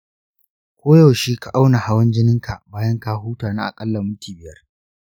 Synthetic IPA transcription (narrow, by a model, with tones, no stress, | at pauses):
kʷoː˦jɐ˨wʃiː˦ka˨ʔa˦wna˨ha˦wɐ˦nd͡ʒɪ˦nɪ˦ŋka˨ʔbaː˦jɐ˦ŋkaː˦ɦuː˦taː˨naː˦ʔa̰˨kʼɐ˦lːɐ˨mʊ˦tiː˨bɪ˦jɐ˦r